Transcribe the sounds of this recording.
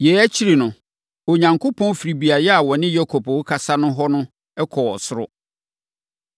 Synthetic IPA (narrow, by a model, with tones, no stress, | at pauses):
jeː˨æ˦t͡ɕʰi˦ɾi˨nʊ̃˨ | o˨ɲã˨ŋkʰʊ˦pʰɔ̃˦n˦fi˨ɾi˨bi˨a˨jɛ˦a˨wɔ̃˨nɪ̃˦jɔ˦kʰɔ˨pʊ˦kʰa˨sa˦nʊ̃˦ɦɔ˦nʊ̃˦ | ɛ˦kʰɔ˨ɔ˨sʊ˦ɾʊ̰˦